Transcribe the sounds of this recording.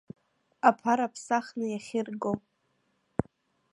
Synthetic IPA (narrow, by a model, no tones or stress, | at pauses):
apʰaɾapʰsaχnɨjaχʲɪrɡo